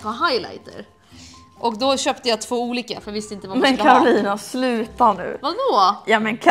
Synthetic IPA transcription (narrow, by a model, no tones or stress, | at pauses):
pʰɔɦajla̰jt̪ə̰ɾ | ʔɔkd̪ɔɕœːpt̪əjat̪ʰvoːuːliːkafɾjavɪst̪əɪnt̪əvamɛnkʰaɾʊliːnaslʉ̟ːt̪aɳʉ̟̰ːvad̪ɔjɑːmɛnkʰ